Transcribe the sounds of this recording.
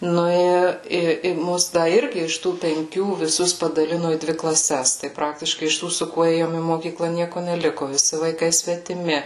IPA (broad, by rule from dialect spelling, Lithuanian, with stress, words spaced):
ˈnʊ ɪ ɪ ɪ ˈmʊs ˈdɐ ˈɪrʲɡʲɪ ɪʃ ˈtuː pʲɛŋʲˈkʲuː ʋʲɪˈsʊs pɐdɐˈlʲɪnoː iː ˈdʲʋʲɪ klˠɐˈsʲɛs tɐɪ ˈprɑːktʲɪʃkɐɪ ɪʃ ˈtuː sʊ ˈkuɔ ˈeːjoːm iː moːˈkʲiːklˠɐ ˈnʲiɛkʊ nʲɛˈlʲɪkʊ ʋʲɪˈsʲɪ ʋɐɪˈkɐɪ sʲʋʲɛtʲɪˈmʲɪ